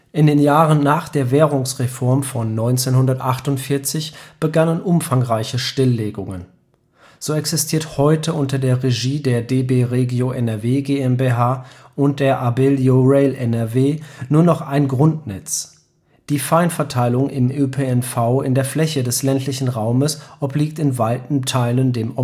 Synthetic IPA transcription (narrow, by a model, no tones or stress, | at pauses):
ʔɪndeːnjaːʁənːaːχd̥eːɐvɛːʁ̞ʊŋsʁefɔɐmfɔnːɔʏnt͡seːnhʊndɐtʔaχtʊntfɪɐt͡sɪçb̥əɡanənʔʊmfaŋʁaɪçəʃtɪlːeːɡʊŋə̰n | z̥oːɛksɪstʰiːɐthɔʏtʰəʔʊntɐdeːɐʁeʒiːdeːɐdeːbeːʁeɡjoʔɛnɛɐveːɡeɛmbeɦaːʔʊnt̚d̥eːɐʔabeljoʁɛɪlɛnɛɐveːnuːɐnɔχʔaɪnɡʁʊntnɛt͡s | d̥iːfaɪnfɛɐtʰaɪlʊŋʔɪmʔøpʰeɛnfaʊɪndeːɐflɛçədɛslɛntʰlɪçn̩ʁaʊməsʔɔpliːk̚tɪnvaɪtn̩tʰaɪləndeːmɔ